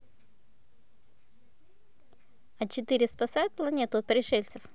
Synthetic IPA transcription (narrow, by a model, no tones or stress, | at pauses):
ɐt͡ɕɪt̪ɨɾʲɪspɐsajʊt̪̚plˠɐnʲet̪ʊɐt̪̚pəɾʲɪʂɛlʲt̪səf